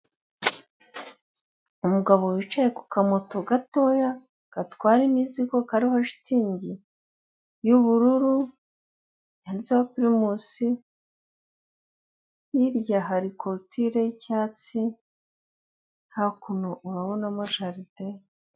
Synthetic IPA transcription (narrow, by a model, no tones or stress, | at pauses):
umuɡaβo̞wit͡ʃaje̞ku̥kamoto̞ɡato̞ːja | ɡ̥atwaːɾimiziko̞kaɾihaʃi̥tiːɲɟi | juβuɾuɾu | aɾzawapiɾimusi | jiɾjaɦaɾikʰoɾtiɾecaːt͡si | hakunoʔuɾaβonamaʃaɾide